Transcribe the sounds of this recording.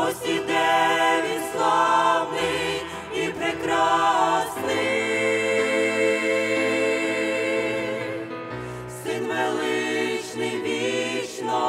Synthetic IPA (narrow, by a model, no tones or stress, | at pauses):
ɔsʲid̪ɛʋʲitʲslˠɑwnɪj | ipɾɛkɾɑsnɪj | sɪd̪mɛlˠɪʃnɪjʋʲit͡ʃnɔ